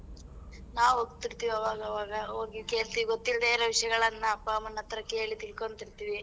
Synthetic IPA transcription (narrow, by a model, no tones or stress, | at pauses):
naːʋoːɡ̚t̪iɾt̪iːʋiɐʋaːɡɐɐʋaːɡɐoːɡike̞ːɭt̪iːʋiɡot̪ːild̪eːɾɐʋiʂɐjɐɡɐɭɐnːɐːpːɐmɐnːɐt̪ːɐɾɐkːe̞ːɭit̪ilko̞ɳt̪iɾt̪iːʋi